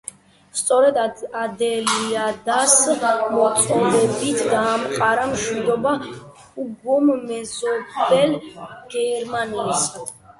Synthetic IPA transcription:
st̪sʼɔɾɛd̪ad̪ɛliad̪asmɔt̪sʼɔlɛbit̪ʰɡaːmqʼaɾamʃwid̪ɔba | uɡummɛzɔbɛlɡ̥ɛɾmaniːs

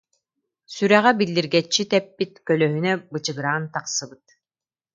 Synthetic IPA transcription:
syɾæʁɛbilːiɾɡɛt͡ɕːit̪ɛpːit̪kœlœɦynɛbɯt͡ɕɯɡɾaːnt̪aqsɯbɯt̪̚

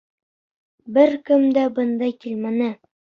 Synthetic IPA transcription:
bɘɾkɘmd̪æbɤ̆nd̪ɑjkilmænɘ

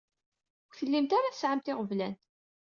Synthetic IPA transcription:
wθəlːimt̪aɾaθəsʕamt̪ɪʁəvlæn

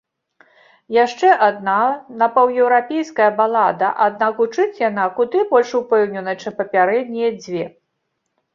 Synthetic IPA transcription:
jaʂt͡ʂɛʔad̪̚nanɐpɐwjɛwɾapʲejskɐjɐbalˠad̪ɐ̰ʔad̪̚nakut͡ʂɨt͡sʲjanakud̪ɨbɔlʲʂupɛwnʲɛnɐt͡ʂɨmpɐpʲaɾɛd̪̚ʲnʲijɛd͡zʲvʲɛ

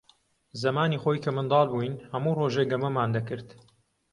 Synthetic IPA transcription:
zɐmaːniːχojkʰɐmɨnd̪ɑːlˠbujnhɐmuːroːʒeɡɐmɐmaːnd̪ɐkɨɾt̪

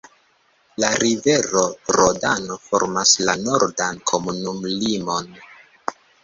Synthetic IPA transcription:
laɾive̞ɾo̞ɾodano̞fo̰ɾmaslano̞ɾdankʰo̞munumlimo̞n

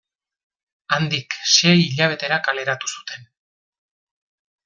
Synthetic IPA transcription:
and̪ikse̞jiʎaβ̞e̞t̪e̞ɾakale̞ɾat̪u̥su̥t̪ʰe̞n

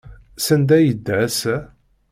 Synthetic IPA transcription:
sænd̪æjəd̪ːæsæ

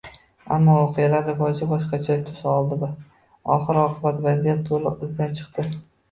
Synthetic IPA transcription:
a̰mːɒvɒqʰejalaɾːɪvɒd͡ʒɪbɒʃqɑt͡ʃʰat̪ʰʊsɒlˠd̪ɪb̪ʊ | ɒ̰χɨɾɒqʰɨbat̪vazijat̪ːolɪʔɪzd̪ant͡ʃʰɨ̥qt̪ɪ

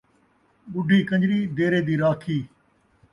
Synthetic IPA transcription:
ɓʊɖʱiːkə̃ɲd͡ʒɾiːd̪eːɾeːd̪iːɾaːkʰiː

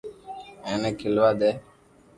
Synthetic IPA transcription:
ẽːnẽːkʰɪlʋaːd̪eː

